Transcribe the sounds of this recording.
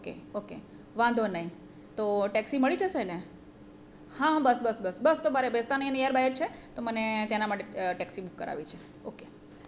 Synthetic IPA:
okḛokḛ | ʋãnd̪ʱonəɦĩ | t̪oʈɛksiməɭit͡ʃʰesəjne | hãbəsbəsbəsbəst̪omaɾebest̪anəiənejaɾbaɦjəɾt͡ʃʰet̪omənet̪janamaʈeʈɛksibukːə̰ɾa̰ʋit͡ʃʰe | oke

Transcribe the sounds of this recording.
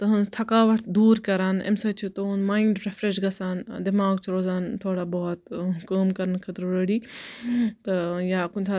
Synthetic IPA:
t̪ɐɦɐnzt̪ʰɐkaːʋɐʈd̪uːɾkɐɾaːnḛmsɐt͡ʃʰut̪onmaːiɳɖɾefɾeʃɡɐsaːnd̪ɪmaːɡt͡ʃʰuɾoːzaːnt̪ʰoːɽabɔːt̪kɐːmkɐɾənkʰɐt̪ɾɾeɽiː | t̪ɐjaːkʊnʲt̪ʰa

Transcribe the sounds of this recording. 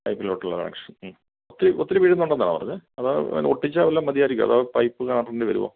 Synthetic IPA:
pɐjpːiloʈːuɭːɐ̰kɐ̰nɐ̰kʂɐn | ot̪ːiɾɨʔot̪ːiɾɨʋiːʈːenːuɳɖenːaːɳa̰ːpɐrɐ̰ɲːɨɐða̰ːoʈːit͡ɕːaːʋɐlːamːɐðijaːɾikʲːumɐ̰ðaːpɐjpːɨkaːɳaːʈːɐɳɖɨʋɐ̰ɾṵʋo̰ː

